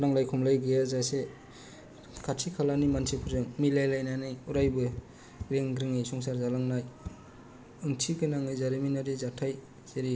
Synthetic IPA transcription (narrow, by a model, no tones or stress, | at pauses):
laŋlajkʰɔmlajɡɯjazase | kʰatʰikʰalanimansʰipʰuɾzɯŋmilajlajnajnajuɾajbɯ | ɾeŋɡɾɯŋajsɔŋsaɾzalaŋnaj | ɯŋtʰiɡɯnaŋɯjzaɾiminaɾizatʰaj | z̥eɾi